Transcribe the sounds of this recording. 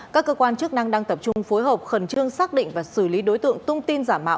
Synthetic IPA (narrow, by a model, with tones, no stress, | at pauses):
kaː˦˥kːəː˧kwaː˧nt͡ɕɨ˦˥ək̚na˧ŋɗaː˧ŋt̪ə˨˩p̚t͡ɕʊ˧ŋ͡mfo˨˦jɦəː˨˩p̚xə˨˩nt͡ɕɨ˧əŋsaː˦˥k̚ɗḭ˧˨ŋ̟vaː˨˩sɨ˧˩li˨˦ɗo˨˦jt̪ɨ̰˧˨əŋt̪ʰʊ˧ŋ͡mt̪i˧nzaː˧˩mːa̰ː˧˨ʔ